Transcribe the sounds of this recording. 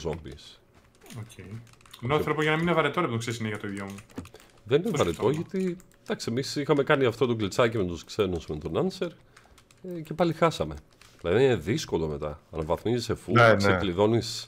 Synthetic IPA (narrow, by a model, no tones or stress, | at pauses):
zombḭs | ocʰejnoθɾopoʝɐnɐmininevɐɾet̪oɾepiðoksesineʝɐt̪oiʝomu | ðe̞ninevɐɾet̪o̞ʝɐt̪i | d̪̥ɐksiemisixɐme̞kɐniɐft̪o̞t̪oklit͡sɐcime̞t̪uskse̞nusmet̪o̞nɐnse̞ɾ | ce̞pɐlixɐsɐme̞ | plɐðinineðisko̞lo̞me̞t̪ɐ̰ɐnɐvɐθmizisefuesekliðo̞nis